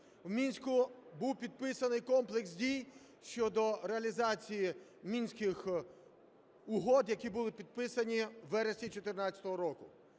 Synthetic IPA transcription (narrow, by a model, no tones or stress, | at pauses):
wmʲinʲsʲkʊbuwpʲid̪̚pɪsɐnɪjkɔmplˠeksdʲij | ʃt͡ʃɔd̪ɔɾeɐlʲizɑt͡sʲijimʲinʲsʲkɪx | ʊɦɔd̪jɐkʲibʊlˠɪpʲid̪̚pɪsɐnʲiʋɛɾesʲit͡ʃɔt̪ɪrnɑt͡sʲɐ̥t̪ɔɦɔɾɔkʊ